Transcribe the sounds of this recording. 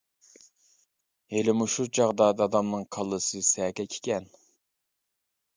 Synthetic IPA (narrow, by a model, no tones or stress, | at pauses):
elɪmuʃut͡ʃʰɑʁd̪ɑːd̪ɨɑːd̪ɑmnɨŋqʰɑlˠːɨsɨsɛkʲɛkʲʰe̥kʲɛn